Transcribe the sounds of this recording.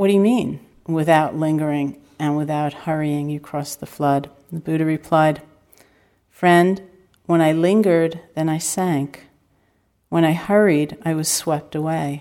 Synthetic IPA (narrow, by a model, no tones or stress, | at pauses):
wʌdɨɨmĩn | wɪθaʊʔˡlɪ̃ŋɡə˞ɪ̃ŋ | ɨ̃nwɨθaʊt̚hɜ˞iɪ̃ŋjɨkʰɹ̥ɔsðəflʌd̪̚ | ðəbʉɾəɹɨpʰl̥aɪd̥ | fɹɛ̃nd | wə̃ñaɪlɪ̃ŋɡə˞d̪̚ðɨ̃naɪsæ̃ŋk | wə̃ɾ̃aɪhɜ˞iɾaɪwʌz̥swɛp̚təweɪ